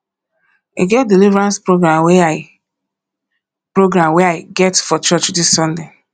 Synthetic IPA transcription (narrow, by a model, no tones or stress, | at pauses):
iɡɛt̚dilivɾãnspɹoɡɾamwɛaɪ | pɹoɡɾãmwɛaɪɡɛtfɔt͡ʃɔt͡ʃdisːɔ̃nde